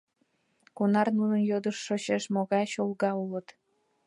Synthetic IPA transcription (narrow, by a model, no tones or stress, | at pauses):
kunɑrnunənjod̪əʃːot͡ɕeʃmoɣɑjɕolɣɑulət̪